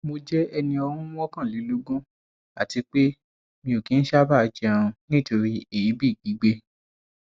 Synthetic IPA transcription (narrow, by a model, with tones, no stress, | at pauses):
mo˧d͡ʒɛ˦ɛ˧nĩ˧ɔ˧ɾũ˦wɔ˦kã˦˨li˨˦lo˦ɡũ˦ | a̰˨ti˨˧k͡pe˦ | mĩ˧o˨kĩ˨˦n̩˦ʃa˦ba˦˧d͡ʒɛ˦a˦˧ũ˧nĩ˦to˧ɾi˧e˨ji˨˦bi˦˨ɡi˨˦ɡ͡be˦